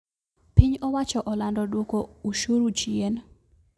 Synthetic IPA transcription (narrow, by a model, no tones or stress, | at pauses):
piɲɔwat͡ʃɔʔɔlandɔdwokouʃuɾut͡ʃjen